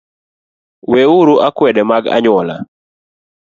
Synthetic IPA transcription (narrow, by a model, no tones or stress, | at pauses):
weuɾuʔakwɛdɛmaɡa̰ɲwɔla̰